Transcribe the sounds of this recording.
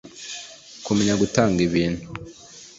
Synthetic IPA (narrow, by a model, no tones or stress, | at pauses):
kumeɲaɡutaːŋɡiβiːn̤hu